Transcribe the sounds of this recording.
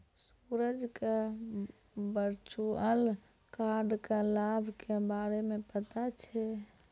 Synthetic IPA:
s | uɾəd͡ʒke | bəɾt͡ʃuəl | kaɾɖkelabʱkebaɾemepət̪at͡ʃʰɛ

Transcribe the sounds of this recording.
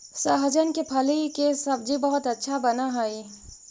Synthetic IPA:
sɐɦd͡ʒənkepʰɐlikesɐb̚d͡ʒibɐɦʊt̪ɐtːʃʰabɐnaɦaːi

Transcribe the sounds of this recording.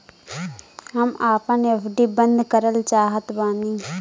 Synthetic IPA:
ɦəmaːpãneːpʰɖiːbə̃nd̪ʱkəɾəlt͡ʃaːɦət̪baːniː

